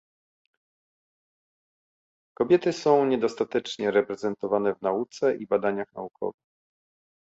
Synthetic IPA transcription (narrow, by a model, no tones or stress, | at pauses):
kɔbʲjɛt̪ɘsɔ̃w̃ɲɛd̪ɔst̪at̪ɛt͡ʂɲɛɾɛpɾɛzɛnt̪ɔvanɛvnaut̪sɛʔibad̪aɲaxna̰ukʰɔ̰vɘx